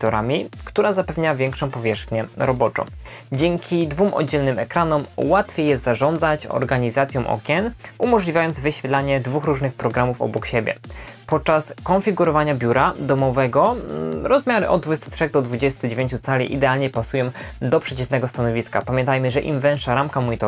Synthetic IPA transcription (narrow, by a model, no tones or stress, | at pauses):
kt̪ɔɾamʲikt̪uɾazapɛvɲavʲjɛŋkʂɔ̃w̃pɔvʲjɛʂxɲɛɾɔbɔt͡ʂɔ̰̃w̃d͡ʑɛŋkʲid̪vumʔɔ̰d͡ʑɛlnɘmɛkɾanɔmwat̪fʲjejɛst̪zaʐɔnd̪zat͡ɕɔ̰ɾɡaɲizat̪sʲjɔ̃w̃ʔɔ̰kʲɛnumɔʐlʲivʲajɔnd̪zvɘɕfʲjɛt̪laɲɛd̪vuxɾuʐnɘxpɾɔɡɾamufɔ̰bɔkɕebʲjɛ̰pɔt̪̚t͡ʂaskɔnfʲiɡuɾɔvaɲabʲjuɾad̪ɔmɔvɛɡɔɾɔzmʲjaɾɘʔɔ̰d̪̚d̪vud͡ʑɛst̪utʂɛɣd̪ɔd̪vud͡ʑɛst̪ud͡ʑevʲjẽɲt͡ɕut̪salʲḭʔḭd̪ɛalɲɛpasujɔ̃w̃d̪ɔpʂɛt͡ɕɛt̪nɛɡɔst̪anɔvʲiska̰pamʲjɛnt̪ajmɘʐɛʔḭmvɛ̃ʂaɾamkamuɲit̪ɔ